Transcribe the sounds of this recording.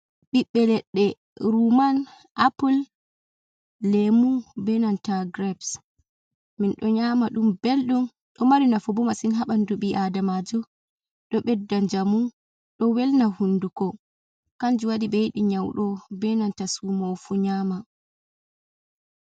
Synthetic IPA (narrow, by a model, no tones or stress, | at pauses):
ɓiɓːɛlɛɗːɛ | ɾuman | ʔapul | emubɛnantaɡɾɛbs | minɗɔɲamaɗumbelɗun | ɗɔmaɾinafɔbɔmasinɦaɓanduɓiʔadamad͡ʒɔ | ɗɔɓɛdːand͡ʒamu | ɗɔwɛlnahundukɔ | kand͡ʒuwaɗiɓejɗiɲawɗɔbɛnantasumofuɲaːma